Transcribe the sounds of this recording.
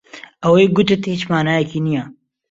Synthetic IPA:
ɐweːɡʊt̪ɪt̪hiːt͡ʃmaːnaːjɛkiːnija

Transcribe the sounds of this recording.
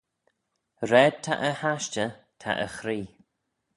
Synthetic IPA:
ɾɛːd̚t̪ʰa̰ʔəhaʃt͡ʃət̪ʰa̰ʔə̰xɾiː

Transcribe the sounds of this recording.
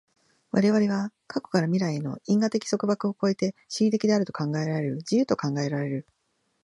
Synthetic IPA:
βaɾe̞βaɾe̞βakʰako̞̥kaɾamʲiɾaieno̞̰ĩŋɡat̪e̞kʲi̥so̞kɯ̟bakɯ̟o̞ko̞e̞t̪e̞ɕiit̪e̞kʲid̪e̞aɾɯt̪o̞̥kãŋɡae̞ɾaɾe̞ɾɯ̟d͡ʑijɯ̟ːt̪o̞kãŋɡae̞ɾaɾe̞ɾɯ̟

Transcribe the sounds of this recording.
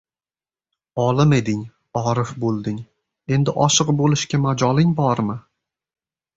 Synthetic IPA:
ɒlɪme̞d̪ɪŋ | ɒɾɪfbolˠd̪ɪŋ | e̞nd̪ɪʔɒʃɨqbolɪʃkʲamad͡ʒɒlɪŋbɒɾmɪ

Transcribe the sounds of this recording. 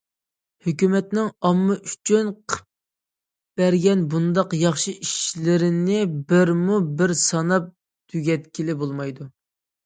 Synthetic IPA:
høkʲymɛt̪nɪŋɑmːɨʔyt͡ʃʰynqʰə̥p̚ | b̥æɾɡʲɛnbund̪ɑqjɑχʃiʔiʃlɪɾɪnɪbɪɾmubɪɾsɑnɑp̚ | t̪ʰyɡʲɛt̪kʲilɪbolˠmɑjd̪u

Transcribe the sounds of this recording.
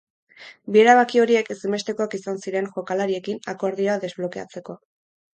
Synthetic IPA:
bie̞ɾaβakio̞ɾie̞kesime̞st̪eko̞akisansiɾe̞nʝo̞kalaɾie̞kinako̞ɾðioaðe̞zβlo̞kea̰t͡se̞ko̞

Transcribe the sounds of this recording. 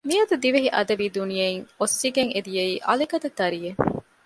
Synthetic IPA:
miɐd̪ud̪iʋeɦiʔɐd̪ɐʋiːd̪unijɐiŋosːiɡeŋed̪ijɐiːʔɐ̰likɐd̪ɐt̪ːɐɾije

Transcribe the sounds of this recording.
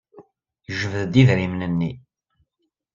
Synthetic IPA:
ʒəvðd̪iðɾimnənːi

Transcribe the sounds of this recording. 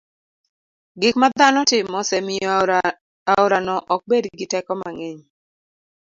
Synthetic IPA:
ɡɪkmad̪anɔtɪmːɔsɛmɪjɔ | aʊɾanɔʔɔk̚bedɡɪtɛkɔmaŋeɲ

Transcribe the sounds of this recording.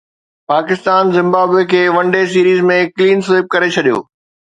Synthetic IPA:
paːkɪst̪aːnzɪ̃mbaːbekʰeːʋɐ̃ɳɖes̬iːɾiːzmẽkliːnseːɪp̚kɐɾet͡ɕʰɐɗijo̰ː

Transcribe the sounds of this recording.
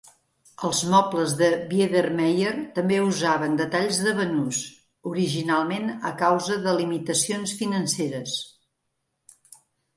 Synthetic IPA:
əlˠzmɔpləzðəβieðermɛjert̪əmbeuzaβənd̪ət̪aʎzðəβənus | uɾiʒinalˠmenəkawzəðəlimit̪əsionsfinənseɾəs

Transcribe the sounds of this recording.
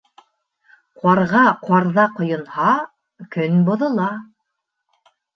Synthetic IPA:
qwɑɾʁɑqwɑɾðɑqŏjɤ̆nhɑ | kɵnbŏðɤ̆lˠɑ

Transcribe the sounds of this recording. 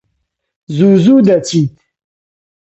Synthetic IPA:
zuzud̪at͡ɕit̪

